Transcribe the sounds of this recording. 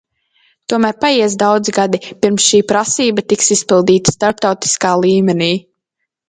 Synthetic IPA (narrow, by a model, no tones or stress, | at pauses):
t̪uɔmæːɾpajiɛs̬d̪awd̪ziɡad̪ipiɾmsʃiːpɾasiːbat̪iksispilˠd̪iːt̪ḁst̪aɾp̚t̪awt̪i̥skaːlˠiːmɛniː